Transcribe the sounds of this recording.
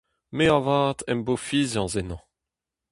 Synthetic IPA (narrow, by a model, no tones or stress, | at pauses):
meavaːt̪ɛ̃mbofiːzɑ̃zenɑ̃